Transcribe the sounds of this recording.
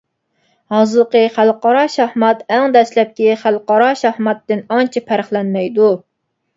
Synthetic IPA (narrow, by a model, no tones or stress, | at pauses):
hɑzɨlˠəqəχælˠqɑɾɑʃɑhmɑt̪æŋd̪ɛslɛp̚kʲiχælˠqɑɾɑʃɑhmɑt̪ːɪnɑnt͡ʃʰipʰæɾχlɛnmɛjd̪u